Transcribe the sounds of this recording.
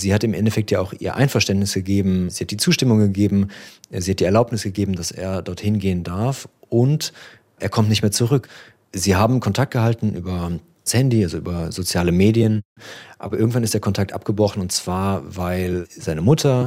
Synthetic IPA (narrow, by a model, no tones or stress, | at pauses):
ziːhatɪmʔɛ̰ntɛfɛk̚tʰjaːaʊxʔḭːɐʔa̰ɪnfɛɐʃtɛntnɪsɡ̥əɡeːbm̩ziːhat̚d̥iːt͡suːʃtɪmʊŋɡəɡeːbm̩ziːhat̚d̥iːɛɐlaʊpnɪsɡ̥əɡeːbm̩dasḛːɐdɔɐthɪnɡeːəndaɐf | ʔʊnt | ʔeːɐkʰɔmtnɪçtmeːɐt͡suʁʏk | ziːɦaːbm̩kʰɔntʰak̚t̚ɡ̥əhaltn̩ʔyːbɐ | shɛndiʔalzoʔy̰ːbɐzot͡sjaːləmeːdiənʔa̰ːbɐʔɪɐɡŋ̩tv̥anɪstd̥eːɐkʰɔntʰak̚tʔa̰p̚ɡ̥əbʁɔχn̩ʊntt͡sv̥aːɐvaɪlzaɪnəmʊtʰɐ